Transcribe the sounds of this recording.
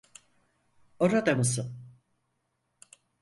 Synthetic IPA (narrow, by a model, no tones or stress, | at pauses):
oɾad̪amɯsɯm